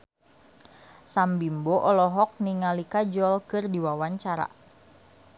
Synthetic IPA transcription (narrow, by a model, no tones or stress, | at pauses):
sambimboʔɔlɔɦɔk̚niŋalikad͡ʒɔlkɨrdiwawaɲt͡ʃaɾa̰